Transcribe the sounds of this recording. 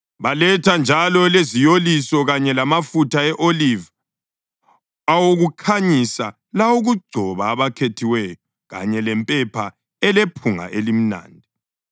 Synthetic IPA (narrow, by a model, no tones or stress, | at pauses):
βalɛtʰand͡ʒʱalɔlezijolisɔɣaɲɛlamafutʰaɛʔoliva | awoɣukʰaɲisa | lawuɣuɡ͡ǀʱɔβaːβakʰetʰiwɛjɔ | ɣa̰ɲɛlɛmpʼɛpʰa | ɛlepʰuŋa̰ʔelim̩na̰ːndʱi